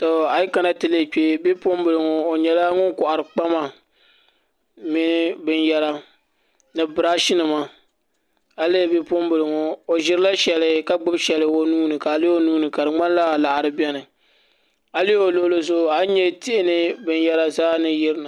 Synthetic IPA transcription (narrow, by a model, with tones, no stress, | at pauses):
to˨a˨i˦ka˦na˦tɨ˨le˦˨k͡pe˦bi˦po˦mbɨ˨lɨ˨ŋo˦o˨ɲɛ˨la˦ŋʊ˦nkʊ˨ʔa˨ɾɨ˨k͡pa˦ma˨ | mi˦nɨ˦bɨ˦njɛ˦ɾa˦ | nɨ˨bɨ˨ɾa˦ʃɪ˦nɨ˨ma˦ | a˦le˦˨˦bi˦po˦mbɨ˨lɨ˨ŋo˨o˨ʒɪ˦ɾɨ˦la˦ʃɛ˨lɨ˨ka˦ɡ͡bɨ˦bʃɛ˨lɨ˨o˦nuː˦nɨ˨ka˨li˦o˦nuː˦nɨ˨ka˨dɨ˨ŋ͡ma˦nla˦˨la˨ʔa˨ɾɨ˨˦bɛ˦nɨ˨ | a˨li˦o˨lo˨˦lo˦zʊ˦ʔa˨˦ɲɛ˦ti˦ʔɪ˦nɨ˦bɨ˨njɛ˦ɾa˦zaː˦nɨ˦jɪ˦ɾɨ˦nɨ˨